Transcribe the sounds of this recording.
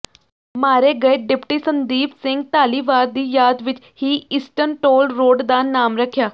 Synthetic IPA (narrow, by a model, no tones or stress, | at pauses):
maːɾeɡəeɖɪpʈiːsənd̪iːpsɪ̃ŋɡ̚t̪aːliːʋaːɾd̪iːjaːd̪ʋɪt͡ʃ | hiːɪsʈənʈoːlɾoːɖd̪aːnaːmɾəkʰːjaː